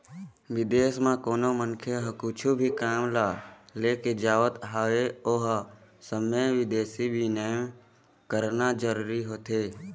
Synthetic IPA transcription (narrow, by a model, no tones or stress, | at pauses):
ʋɪd̪eːsmãkoːnomənkʰeɦkʊt͡ʃʰubʱikaːmlaːleːked͡ʒaːʋət̪ɦaːʋeoːɦsəmẽʋɪd̪eːsibʱinəːm | kəɾnad͡ʒəɾuːɾiɦoːt̪ʰeː